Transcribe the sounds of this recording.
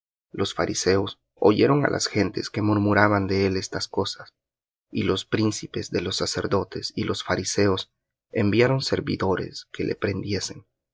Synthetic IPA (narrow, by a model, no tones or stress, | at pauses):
lʔo̞sfaɾʔise̞os | o̞̰ʝe̞ɾo̞ŋa̰lʔa̰sxe̞nt̪e̞ske̞muɾmuɾaβand̪e̞ele̞st̪asko̞sas | ilo̞spɾinsipe̞zðe̞lo̞sːase̞ɾðo̞t̪e̞silo̞sfaɾise̞os | embjaɾo̞nse̞ɾβḭðo̞ɾe̞̰skelʔe̞̰pɾe̞nd̪je̞se̞n